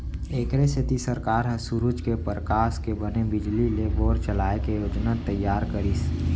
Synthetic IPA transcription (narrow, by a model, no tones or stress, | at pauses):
eːkɾeset̪isəɾkaːɾɦɐsuɾud͡ʒkepɾəkaːskebənebɪd͡ʒlileboːɾt͡ʃəlaːekejoːd͡ʒnat̪əjːaːɾkəɾis